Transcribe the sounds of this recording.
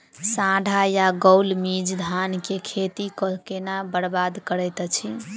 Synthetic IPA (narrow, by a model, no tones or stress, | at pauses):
sãɖʱajaɡəlmid͡ʒd̪ʱankekʰet̪ikɔkenabəɾbad̪kəɾɛjt̪t͡ʃʰi